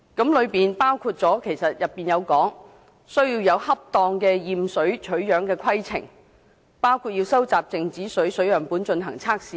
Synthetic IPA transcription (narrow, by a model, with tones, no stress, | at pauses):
kɐ˨˥mlɵ˨˧ɥpiː˨npaː˥wkʰuː˧t̚t͡sɔː˨˥kʰe˨˩jsɐ˨t̚jɐ˨pːiː˨njɐ˨˧wkɔː˨˥ŋ | sɵ˥ɥjiː˧wjɐ˨˧whɐ˥p̚t̪ɔː˧ŋkɛː˧jiː˨msɵ˨˥ɥt͡ʃʰɵ˨˥ɥjœː˨˥ŋkɛː˧kʷʰɐ˥jt͡sʰɪ̰˨˩ŋ | paː˥wkʰuː˨˧t̚jiː˧wsɐ˥wt͡saː˨p̚t͡sɪ˨ŋt͡siː˨˥sɵ˨˥ɥsɵ˨˥ɥjɐ˨˩ŋpuː˨˥nt͡ʃɵ˧nɦɐ˨˩ŋt͡sʰaː˥k̚siː˨